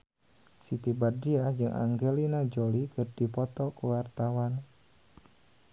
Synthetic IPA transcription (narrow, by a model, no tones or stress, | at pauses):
sit̪ibadiad͡ʒɨŋʔa̰ŋɡelinad͡ʒolikərd̥ipɔt̪ɔkəwart̪awan